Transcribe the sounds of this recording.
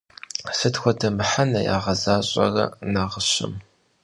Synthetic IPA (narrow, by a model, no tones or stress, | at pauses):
sɨtxʷɔdɐmɨħanɐja̰ːʁɐzaːɕʼɐ̰rɐ̰naːʁəɕɪ̰m